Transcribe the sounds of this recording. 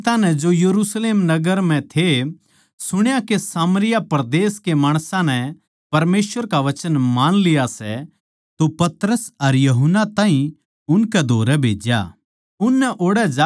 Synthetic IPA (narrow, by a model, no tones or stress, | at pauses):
t̪anɛ̃d͡ʒojɐɾuːsleːmnɐɡəɾm̤ɛ̃t̪ʰe | sʊɽ̃jakesaːməɾɪjapɐɾd̪eːskemaːɽ̃sãnɛ | pɐɾmeːsʋəɾkaʋɐt͡ʃənmaːnlɪjasɛ̰ | t̪opɐt̪ɾəsɐɾjɐɦənːat̪ãːɦĩ | ʊnkɛd̪ʱoːɾɛbʱḛːd͡ʒja̰ | ʊnːɛʔoːɽɛd͡ʒa